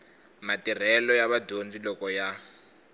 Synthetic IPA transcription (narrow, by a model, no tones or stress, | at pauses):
matir̤ɛlɔjaβadʱond͡zilɔkɔja